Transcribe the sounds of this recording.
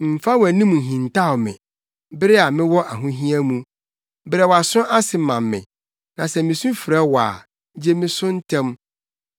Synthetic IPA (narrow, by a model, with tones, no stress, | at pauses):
m̩˨fa˦wæ˨nĩ˦mũ˨ɦĩ˨n˨tʰa˦˨ɔ˨mɪ̰̃˨ | bɪ˦ɾɪ˦a˨mɪ̃˦wɔ˦ʔa˨ɦʊ̃˦ɦĩ˦æ˦mũ˦ | bɪ˦ɾɛ˨wa˨sʊ̃˦ʔa˦sɪ˨mã˨mːɪ̰̃˨ | nã˨sɛ˨mɪ̃˨sũ˦fɪ˨ɾɛ˦wa̰ː˨˦ | d͡ʑe˦mɪ̃˦sʊ̃˦n̩˦tʰɛ̃˦m